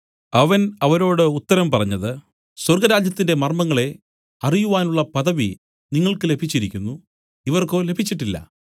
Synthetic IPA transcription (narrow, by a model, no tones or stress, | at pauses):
ɐʋɐnɐʋɐɾo̞ːɽɨut̪ːɐɾɐmpɐrɐɲːɐðɨ | swɐrɡɐɾaːd͡ʑjɐt̪ːinde̞mɐrmɐŋːɐɭe̞ | ɐrijuʋaːnuɭːɐpɐðɐʋi | niŋːɐɭkɨle̞bʱit͡ɕːiɾikʲːunːu | iʋɐrko̞ːle̞bʱit͡ɕːiʈːilːɐ̰